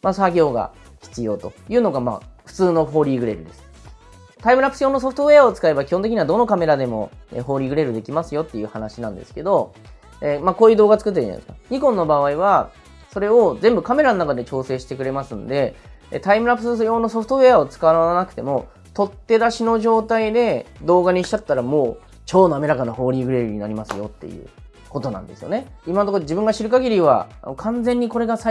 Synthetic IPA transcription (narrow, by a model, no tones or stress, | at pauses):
masaɡʲo̞ːɡa̰ | çi̥t͡sɨjo̞ːt̪o̞jɯ̟ːno̞ɡama̰ːɸɯ̥t͡sɨːno̞ɦo̞ːɾʲiːɡɯ̟ɾe̞ɾɯ̟d̪e̞sɨ̥ | t̪aimɯ̟ɾapːɯ̥sɨjoːnoso̞ɸɯ̟̥t̪oβe̞ao̞t͡sɨ̥kae̞bakʲi̥hõnt̪ekiɲiβad̪o̞no̞kame̞ɾad̪e̞mo̞̰ḛɦo̞ːɾʲiːɡɯ̟ɾe̞ɾɯ̟d̪e̞kʲimasɨjo̞t̪ːe̞jɯ̟ːhanaɕinãnd̪e̞sɨ̥ke̞d̪o̞ | emako̞ːjɯ̟ːd̪o̞ːɡat͡sɨ̥kɯ̟t̪̬ːeã̰eskaɲ̟ikõ̞nːo̞baβaiβa | so̞ɾe̞o̞zẽ̞mbɯ̟kame̞ɾanonakad̪e̞t͡ɕo̞ːse̞ːɕi̥t̪e̞k̬ɯ̟ɾe̞masɨ̃nd̪e̞̰t̪aimɯ̟ɾapɯ̥ssjo̞ːno̞so̞ɸɯ̥t̪oβe̞ao̞t͡sɨ̥kaβaɾanakɯ̟t̪e̞mo̞ | t̪o̞t̪ːe̞d̪aɕino̞ʑo̞ːt̪aid̪e̞d̪o̞ːɡaɲ̟iɕi̥t͡ɕat̪ːaɾamo̞ː | t͡ɕo̞ːno̞ame̞ɾakanaho̞ːɾʲiːɡɯ̟ɾeɾɯɲ̟inaɾʲimasɨjo̞̰t̪ːe̞̰jɯ̟̰ː | ko̞t̪o̞nã̰nd̪e̞sɨjo̞ne̞imanot̪okoʑibɯ̟̃ŋɡaɕiɾɯ̟kaɡʲiɾʲiβa̰nokʰãnd͡zẽ̞ɲ̟ːiko̞ɾe̞ɡasa